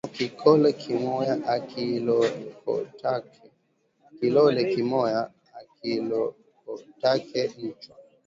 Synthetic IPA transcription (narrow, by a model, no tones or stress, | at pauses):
kikʰɔlɛkʰimɔjaʔakilɔkɔ̰tak | kilɔlɛkimɔjaː | kilɔ | kɔtakɛlit͡ʃwa